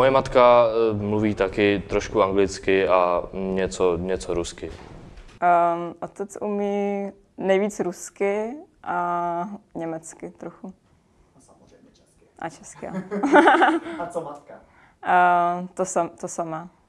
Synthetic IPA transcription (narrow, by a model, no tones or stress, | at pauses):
mojɛmat̪kamluviːt̪akɪt̪ɾoʃkuaŋɡlɪt͡skɪaɲɛt͡soɲɛt͡soɾuskɪ | ʔot̪ɛt͡sumiː | nɛjviːt͡sɾuskɪʔa | ɲɛmɛt͡skɪt̪ɾoxu | ʔa̰t͡ʃɛskɪa | t̪ | t̪osamt̪osamaː